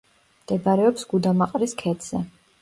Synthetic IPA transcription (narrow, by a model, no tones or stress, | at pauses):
md̪̥ɛbaɾɛɔpsɡud̪amaqʼɾiskʰɛt̪z̥ɛ